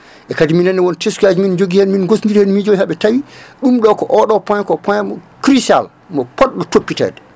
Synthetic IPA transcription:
ʔɛkadiminɛnːɛwɔnteskiad͡ʒimind͡ʒoɡihɛnminɡosnɡiɾhɛnmind͡ʒowhaɓɛtawiɗumɗɔkɔʔɔɗɔpɔjkɔpɔjmɔkɾisa̰l | mɔpɔɗɗɔtopːitɛ̰dɛ

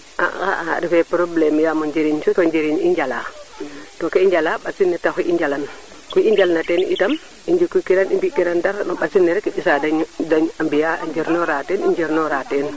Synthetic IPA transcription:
ʔa̰a̰aɾifɛpɾoblɛmjaːmɔɲd͡ʒiɾiɲt͡ʃutɔɲd͡ʒiɾiɲiɲd͡ʒala̰ːtɔkɛiɲd͡ʒalaɓasinːɛtakuʔiɲd͡ʒalan | kuiɲd͡ʒalnatɛnʔitam | iɲd͡ʒukːukiɾanimbikiɾandaɾnɔɓasinːɛɾɛkɛɓisadaɲdaɲambijaa̰ɲd͡ʒiɾnɔɾatɛːniɲd͡ʒiɾnɔɾatɛn

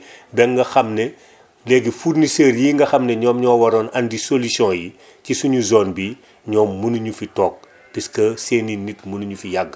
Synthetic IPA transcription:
bɛŋɡɐxɐmnɛ | lɛɡifurniseːɾjiːŋɡɐxɐmnɛɲɔːmɲɔːwɐɾɔːnɐndisolisɔ̃ːji | cisuɲuzɔːnbi | ɲɔːmːunuɲufitɔːk̚ | piskəseːninitmunuɲufijɐɡː

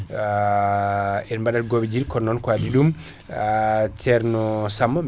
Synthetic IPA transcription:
ɛnmbaɗalɡobɛd͡ʒilkɔnːɔnkwadiɗum | tɛɾnɔsamːam

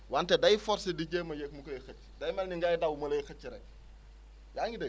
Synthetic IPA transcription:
wantɛdɐjfɔrsidiɟeːmːɐjɛk̚mukɔjixɐt͡ʃː | dɐjmɛlniŋɡajdɐwmɐlɐjxɐt͡ʃːiɾɛk | jaŋɡidɛ

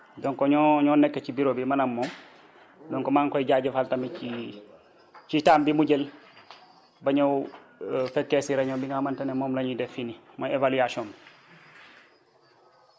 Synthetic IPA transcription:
dɔŋkɔɲɔɲɔːnɛkːecibiɾobimɐnɐmːɔːm | dɔŋkɔmaːŋkɔjɟaːɟefaltɐmii | citaːmbimuɟel | bɐɲɐw | fekːesiɾɐɲobiŋɡamantɐnemɔːmlɐɲudɛfini | moevaliasiɔːm

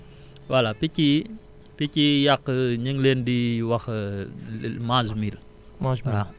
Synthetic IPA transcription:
walapici | picijakːəɲəŋleːndiwɐx | mad͡ʒmil | ɾa

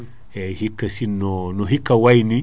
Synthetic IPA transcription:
ehikːasinonoɦikːawajni

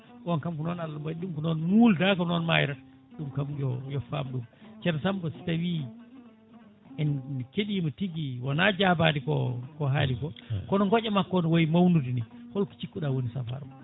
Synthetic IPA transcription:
ɓɔnkamkunɔnalːambaɗumkunɔnmuldakɔnɔnmajɾat | ɗumkamɡɔjɔfa̰mɗumt͡ʃɛɾsambɔsi̥tawi | ɛnnkeɗimɔtiɡiwanad͡ʒabadikɔ̰kɔɦalikɔkɔnɔŋɡɔt͡ʃɛmakːɔnɔwojimawnudinihɔlkɔ̥t͡ʃikːuɗawonisa̰fa̰ɾm

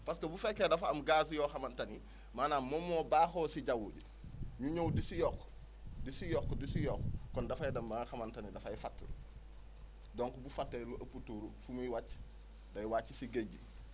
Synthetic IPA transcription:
paskɐbufekːedafaamɡas̬joːxamantani | maːnamomoːbaːxoːsiɟawuɟ | ɲuɲowdisijɔkː | disijɔkːdisijɔkkɔndafajidɐmbaŋxamantanidafajfatː | doːŋkubufatːeluʔɐputuːɾufumiwat͡ʃ | dajwaːt͡ʃisiɡeɟi

